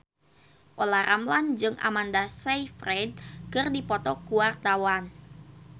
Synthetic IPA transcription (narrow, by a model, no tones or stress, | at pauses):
ʔolahrʔamland͡ʒɨŋʔa̰mandasajfrɛd̪̚kɨrdipɔt̪ɔkuart̪awan